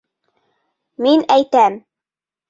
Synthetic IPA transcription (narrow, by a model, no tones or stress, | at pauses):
minæjt̪æm